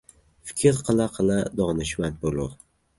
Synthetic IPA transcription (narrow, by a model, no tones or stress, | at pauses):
fɪ̥kʲʰɪɾqʰɨlˠaqʰɨlˠad̪ɒnɪʃmant̪̚bolˠʊɾ